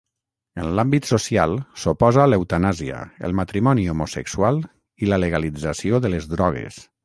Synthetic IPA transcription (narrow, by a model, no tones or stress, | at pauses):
ənlambit̪sosialˠsopɔzaləwt̪anaziə̰ə̰lˠmat̪ɾimɔniomusə̰ksualˠ | ilələɣalid͡zəsioðələzðɾɔɣ̞ḛs